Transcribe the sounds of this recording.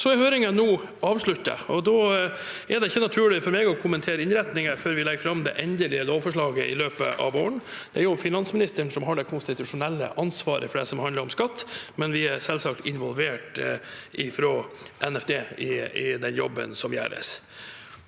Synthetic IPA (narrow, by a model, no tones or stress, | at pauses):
sɔɛɾhøːɾɪŋənuː | ɑːʋʂɭʉt̪ːə̰ɔd̪ɔːæɖɛɪçːənɑt̪ʰʉːɭɪfɔɾmeːɡɔkʰʊmənt̪ʰeːɾəɪnɾɛt̪nɪŋəføːɾʋɪlɛɡfɾɑmd̪ɛ̰ʔɛnd̪əlɪəloːfɔʂɭɑːɡəʔɪ̰løːpə̰ʔɑ̰ʋoːəɳd̪̥ɛæɾjʊfɪnɑnsmɪnɪst̪əɳsɔmɦɑɖɛkʰʊnst̪ɪt̪ʉʂʊnɛlːə̰ʔɑnsʋɑ̰ːɾə̰fɔɖɛ̰sɔmhɑnd̪əɾɔmskɑt̪ːmɛnʋɪæɾsɛlsɑk̚t̪ɪnʋɔlʋeːʈʔɪfɾoːʔɛnɛfd̪eːɪɪd̪ɛnjɔ̰bːə̰nsɔmjæ̰ːɾə̰s